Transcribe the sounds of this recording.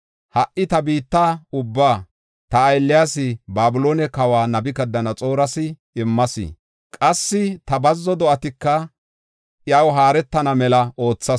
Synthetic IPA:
hɐʔʔɪt̪ɐbiːt̪ːaʊbːaː | t̪ɐːjlːɪjaːsɪbaːbʊloːnɛkɐwaːnɐbɪkɐd̪ːɐnɐt͡sʼo̞ːɾɐsɪ | ɪmːɐsɪ̰ | kʼɐsːɪt̪ɐbɐzːɔd̪ɔʔɐt̪ɪkːɐ | ʔjɐwɦaːɾɛt̪ːɐnɐmɛlɐʔo̞ːt͡sːɐ

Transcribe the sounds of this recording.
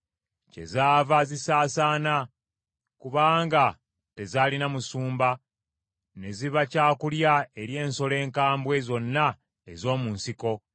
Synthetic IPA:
ce̞̰zaːvazisaːsaːna | kuβaːŋɡa | te̞zaːlinamusuːmba | ne̞ziβacaːkuljae̞ɾje̞ːnso̞le̞ːŋkaːmbwe̞zo̞nːa | ezo̞ːmuːnsiko̞

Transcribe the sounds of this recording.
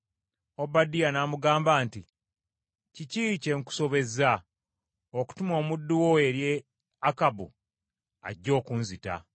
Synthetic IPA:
o̞badijanaːmuɡaːmbaːnti | ciciːce̞ŋku̥so̞βe̞za | oku̥tumo̞ːmudːuwoe̞ɾje | akabṵ | a̰ɟːo̞ːkuːnzita̰

